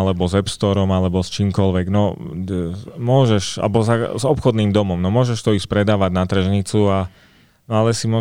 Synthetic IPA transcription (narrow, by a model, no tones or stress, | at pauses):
alɛbɔzɛpst̪ɔɾɔmalɛbɔst͡ʃiːmkɔlʋɛɡnɔ | mʊɔʒɛʃa̰lbɔzazɔpxɔd̪niːmd̪ɔmɔmnɔmʊɔʒɛʃt̪ɔiʃspɾɛd̪aːʋaɟnat̪ɾɛʒɲit͡sua | nɔalɛsimʊɔ